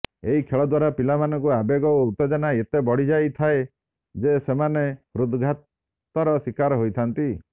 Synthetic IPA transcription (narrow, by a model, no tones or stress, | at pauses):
eɦikʰeɭɔd̪waɾapilamanɔŋkuabeɡɔout̪ɔd͡ʒanaet̪ebɔɽ̤id͡ʒajt̪ʰae | d͡ʒesemanehɾud̪ɡʱat̪ | t̪ɔɾɔsikaɾɔɦojt̪ʰant̪i